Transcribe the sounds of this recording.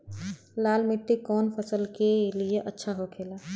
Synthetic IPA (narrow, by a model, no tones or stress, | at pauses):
laːlmɪʈ̪ːikɔːnpʰəsəlkelieʔətːʃʰaɦokʰeːlaː